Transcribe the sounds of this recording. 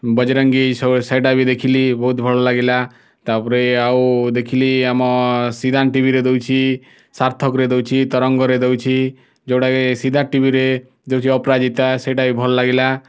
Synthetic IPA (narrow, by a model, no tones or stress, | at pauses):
bɔd͡ʒɾɔŋɡissejʈabid̪ekʰilibɔɦut̪bʱɔɭɔlaɡila | t̪apɔɾeawd̪ekʰiliamɔsid̪ʱanʈibʱiɾed̪ewt͡ʃʰi | saɾt̪ʰɔkɾed̪ewt͡ʃʰit̪ɔɾɔŋɡɔɾed̪ewt͡ʃʰi | d͡ʒewʈakesid̪ʱaʈibʱiɾe | d̪ewt͡ʃʰiɔpɾad͡ʒit̪aseʈabibʱɔlɔlaɡila